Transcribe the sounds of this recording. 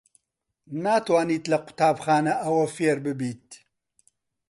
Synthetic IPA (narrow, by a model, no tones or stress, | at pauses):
naːt̪waːniːt̪lɐqʊ̥t̪aːbxaːnɐʔɐwɐfeːɾbɨbiːt̪̚